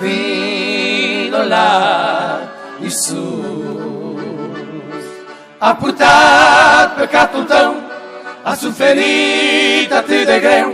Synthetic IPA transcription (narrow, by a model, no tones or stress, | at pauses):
vi | dola | isu | aput̪a | pekat̪ut̪ɐ̃w̃ | asufeɾi | t̪at̪iðeɣɾew